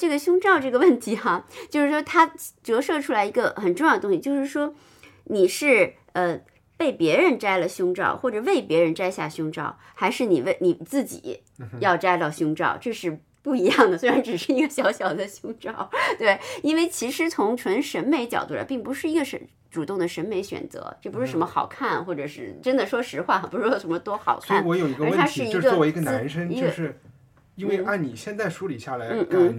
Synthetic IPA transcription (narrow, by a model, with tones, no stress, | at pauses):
ʈ͡ʂɤ˥˩ɡə˩ɕʊ˥ŋʈ͡ʂɑ˥˧ʊʈ͡ʂɤ˥˩ɡə˩wə˥˩nt̪ʰi˧˥xa˥˧t͡ɕjo˥˧ʂɻ̩˥˩ʂwɔ˥t̪ʰa˥ʈ͡ʂɤ˧˥ʂɤ˥˧ʈ͡ʂʰu˥la˧˥ɪi˧˥ɡə˧xə˨˩nʈ͡ʂʊ˥˧ŋjd̪ət̪ʊ˥ŋɕi˧t͡ɕjo˥˧ʊʂɻ̩˥˩ʂwɔ˥ | ni˨˩ʂɻ̩˥˩ | ə˧ | pe˥˩ɪpjɛ˧˥ɻə˧˥nʈ͡ʂa˥ɪlə˨ɕʊ˥ŋʈ͡ʂɑ̰˥˩ʊxwɔ˥˩ʈ͡ʂɤ˨˩we˥˩ɪpjɛ˧˥ɻə˧˥nʈ͡ʂa˥ɪɕja̰˥˩ɕjʊ˥ŋʈ͡ʂɑ̰˥˩ʊ | xa˧˥ɪʂɻ̩˥˩ni˨˩we˥˩ɪni˨˩t͡sɹ̩˥˩t͡ɕḭ˨˩˦ | jɑ˥˩ʊʈ͡ʂa˥ɪt̪ɑ˥˩ʊɕjʊ˥ŋʈ͡ʂɑ̰˥˩ʊʈ͡ʂɤ˥˧ʂɻ̩˥˧ | pu˥˩i˧˥jɑ˥˩ŋd̪ə˩swe˥ɻa˧˥nʈ͡ʂɻ̩˨˩ʂɻ̩˥˧i˧˥ɡə˧ɕjɑ˧˥ʊɕjɑ˨˩ʊd̪ə˦ɕjʊ˥ŋʈ͡ʂɑ˥˩ʊt̪we˥˩ɪi˥nwe˥˩ɪt͡ɕʰi˧˥ʂɻ̩˧˥t͡sʰʊ˧˥ŋʈ͡ʂʰwə˧˥nʂə˧˥nme˧˥ɪt͡ɕjɑ̰˨˩ʊt̪u˥˩a̰˧ɪpi˥˩ŋpu˧˥ʂɻ̩˥˩i˧˥ɡə˧ʂə̰˧˥ | ʈ͡ʂu˨˩t̪ʊ˥˩ŋd̪ə˩ʂə˧˥nme˧˥ɪɕɥɛ̰˨˩nt͡sɤ̰˧˥ʈ͡ʂɤ˥˩p̬u˧˥ʂɻ̩˥˩ʂə˧˥mə˧xɑ̰˨˩ʊkʰa˥˩nxwɔ˥˩ʈ͡ʂɤ˨˩ʂɻ̩˥˩ʈ͡ʂə˥nd̪ə˨ʂwɔ˥ʂɻ̩˧˥xwa˥˩xpu˧˥˧wʂə˧˥mə˧t̪wɔ˥xɑ̰˨˩ʊkʰɔa˥˩ni˥˩wɔ˧˥jo˨˩ʊi˧˥ɡə˧˥wə˥˧a˥ʂɻ̩˥˩i˥˧ɡə˧˥ɔ˥˩e˧˥i˧ɡə˧na˧˥nʂə˥ŋ˥jʂɻ̩˥˩ | i˥nwe˥˧ɪa˥˩nni˨˩ɕjɛ˥˧nt͡sa˥˩ɪʂu˧˥li˨˩ɕja˥˩la˧˥n̩˥˩nn̩˥˩